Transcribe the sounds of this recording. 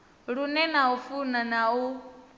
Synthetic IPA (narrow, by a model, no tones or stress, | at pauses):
ɺunɛnaufunanau